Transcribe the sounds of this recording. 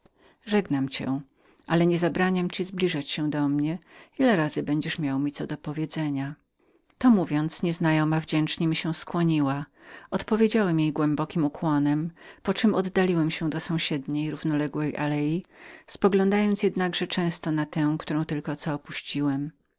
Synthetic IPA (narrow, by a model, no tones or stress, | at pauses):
ʐɛɡnamt͡ɕɛ̰ | ʔalɛɲɛzabɾaɲamt͡ɕizblʲiʐat͡ɕɕɛ̃d̪ɔmɲɛilɛɾazɘbɛɲd͡ʑɛʂmʲjawmʲit̪sɔd̪ɔpɔvʲjɛd̪zɛɲa | t̪ɔmuvʲjɔnt̪sɲɛznajɔmavd͡ʑɛnt͡ʂɲɛmʲiɕɛw̃skwɔɲiwaɔt̪pɔvʲjed͡ʑawɛmjejɡwɛmbɔkʲimukwɔnɛmpɔt͡ʂɨmɔd̪ːalʲiwɛmɕɛ̃d̪ɔsɔ̃w̃ɕɛd̪ɲejɾuvnɔlɛɡwɛjʔa̰lɛjispɔɡlɔ̃nd̪ajɔnt̪sjɛd̪naɡʐɛt͡ʂɛ̃w̃st̪ɔnat̪ɛ̃kt̪uɾɔ̃w̃t̪ɘlkɔt̪sɔɔpuɕt͡ɕiwɛm